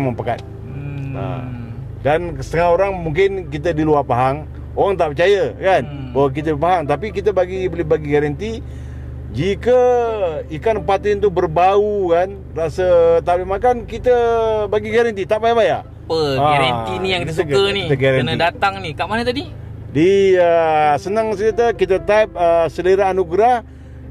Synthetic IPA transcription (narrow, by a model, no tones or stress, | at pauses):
məmpəka̰t̪̚ | a̰ | dansə̥t̪əŋaoɾaŋmuŋk̬ɪnk̬it̪̬ədiluapaɦaŋ | oɾaŋt̪aʔpət͡ʃajəkan | bawak̬it̪əbəpaɦaŋt̪apikit̪əbaɡibəlɪbaɡiɡaɾant̪i | d͡ʒikə | ikanpat̪ɪnt̪ubərbaukan | rasət̪apimakankit̪əbaɡiɡaɾant̪it̪aʔbajaʔbajaʔ | pəaaɾaninijaŋdis̬əkəniəɡaɾaənadat̪aŋnikaʔmanət̪adi | diəsənaŋsəɡat̪əkit̪ət̪aəp̚əsələɾaːnuɡɾah